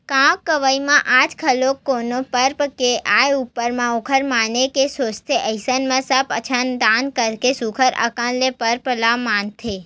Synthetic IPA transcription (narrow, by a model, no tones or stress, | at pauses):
kãkːəʋəimãʔad͡ʒkʰəlokːonopəɾpkeʔajupːəɾmãokʰəɾmanekesost̪ʰeʔəisənmãsəpət͡ʃʰand̪ankəɾkesukʰəɾə̰kãlepəɾpəlamant̪ʰe